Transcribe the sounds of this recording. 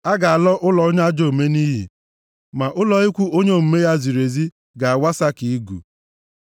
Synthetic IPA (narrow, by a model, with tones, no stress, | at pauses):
a˦ɡa˨a˨lɔ˦ʔʊ˦lɔ˨˦ɲa˦d͡ʒo˦˨me˦ni˦ɦḭ˨ | ma˨ʔʊ˦lɔ˨i˦kʷu˦o˦ɲe˦˨m̩˨me˦ja˦zi˨ɾe˨zi˦ | ɡa˨a˨wa˦sa˦ki˨i˦ɡṵ˨